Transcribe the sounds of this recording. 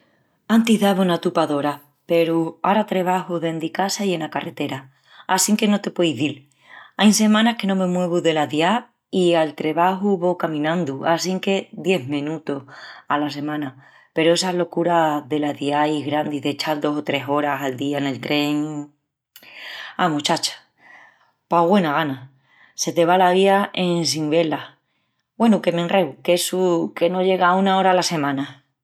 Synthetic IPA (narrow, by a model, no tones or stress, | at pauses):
ant̪iɦðaβunat̪upaðo̞ɾa | pe̞ɾuaɾat̪ɾe̞β̞aɦuðe̞nd̪ikasaje̞nakare̞t̪e̞ɾaː | siŋke̞no̞t̪e̞pwejðil | ajnse̞mãnahke̞nõ̞mẽ̞mwe̞β̞uðe̞laðja | ialt̪ɾe̞βaɦuβo̞kamĩnãnd̪uasiŋke̞ðje̞ɦmẽnut̪ohalas̬e̞mãna | pe̞ɾoe̞saɦlo̞kuɾaðe̞laðiajɣɾand̪iðe̞t͡ʃald̪o̞sot̪ɾe̞so̞ɾasald̪iane̞lt̪ɾe̞ŋ | amut͡ʃat͡ʃḁ | paɣwe̞naɣana | se̞t̪e̞βalaβiaʔe̞ns̬iŋbe̞la | bwe̞nuke̞mẽnrewke̞suke̞no̞ʎe̞ɣaunao̞ɾalase̞mãna